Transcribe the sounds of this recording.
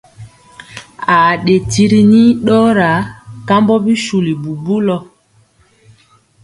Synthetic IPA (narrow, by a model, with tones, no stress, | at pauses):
a˨ɗe˨ti˦ɾi˦ni˦ɗɔ˦ɾa˨˦ka˦mbɔ˦bi˦ʃu˨li˨bu˨bu˦lɔ˦